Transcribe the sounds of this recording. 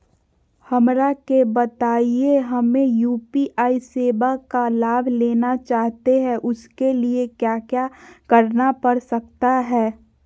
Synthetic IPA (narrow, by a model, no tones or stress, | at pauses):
hɐmɾakebət̪aːieɦɐmẽjuːpiʔaːiseːbakalaːbʱleːnat͡ʃaːɦt̪eɦɛ̃ʔʊskeliekjaːkjaːkɐɾnapəɾsək̚t̪aɦɛː